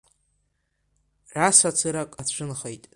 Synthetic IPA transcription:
ʕasat͡sʰɨɾakʼat͡ɕʷʰɨnχejtʼ

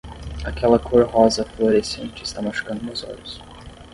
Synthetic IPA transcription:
akʰɛlɐkʰoɾhɔzɐfloɾesḛ̃nt͡ʃɪːst̪amaʃu̥kɐ̃nd̪ʊnʊzɔ̰ʎʊs

